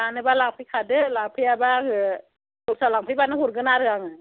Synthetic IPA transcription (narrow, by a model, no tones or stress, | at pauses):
anɯbalaŋpʰɯjkʰadɯlapʰɯjabakɯ | osalaŋpʰɯibanɯkuɾkɯnaɾɯaŋɯ